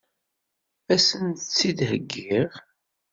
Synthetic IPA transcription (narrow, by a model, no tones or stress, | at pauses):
æsənt̪ət͡sːid̪ɦəɡːiʁ